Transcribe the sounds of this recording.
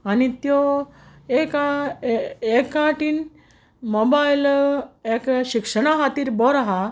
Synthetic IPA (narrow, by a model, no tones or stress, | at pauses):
anit̪jo | eka | ekaʈin | mobajlekɕikʂəɽ̃aɦat̪iːɾbɔɾaɦa